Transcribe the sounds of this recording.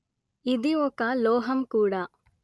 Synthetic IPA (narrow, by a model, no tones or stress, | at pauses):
id̪iɔkɐlɔːɦɐmkuːɽaː